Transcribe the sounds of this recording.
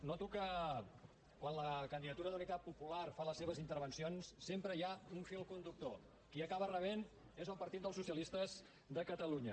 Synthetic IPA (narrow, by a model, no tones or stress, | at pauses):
nɔt̪ukə | kwanləkənd̪iðət̪uɾəðunit̪at̪̚pupularfaləsːeβ̞əzint̪əɾβənsionsːempɾəiauɱfilˠkund̪uk̚t̪o | kiəkaβərəβ̞en | ezəlˠpəɾt̪it̪̚əlˠsusiəlist̪əz | d̪əkət̪əluɲə